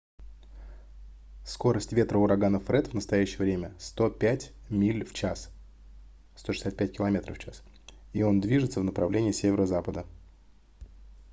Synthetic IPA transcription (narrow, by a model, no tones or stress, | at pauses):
sko̞ɾəsʲtʲvʲe̞t̪ɾəʊɾɐɡanəfɾɛt̪vnəst̪ɐjæɕːɪjəvɾʲemʲəst̪o̞pʲætʲmʲilʲft͡ɕas | st̪o̞ʂɨ̥sʲat̪̚pʲæt̚ʲkʲɪlˠɐmʲe̞t̪ɾə̰ft͡ɕas | io̞nd̪vʲiʐɨt̪səvnəpɾɐvlʲenʲɪːsʲevʲɪɾəzapəd̪ə